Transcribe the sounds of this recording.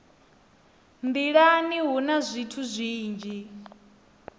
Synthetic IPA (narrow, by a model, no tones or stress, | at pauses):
nd̪iɺaniɦunazʷitʰuzʷiːnd͡ʒi